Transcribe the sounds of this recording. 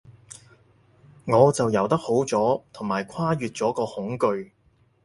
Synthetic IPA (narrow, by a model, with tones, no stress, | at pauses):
ŋɔː˨˧t͡sɐ˨wjɐ˨˩wt̪ɐ˥k̚ho˨˥wt͡sɔː˨˥t̪ʰʊ˨˩ŋmaː˨˩jkʷʰwaː˥jyː˨t̚t͡sɔː˨˥kɔː˧hʊ˨˥ŋkɵ˧ɥ